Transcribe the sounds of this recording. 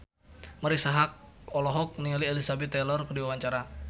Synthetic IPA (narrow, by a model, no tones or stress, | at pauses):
məɾisaɦak̚ɔlɔɦɔk̚nialielisabɛt̪ːɛlɔrkədiwawaɲt͡ʃaɾa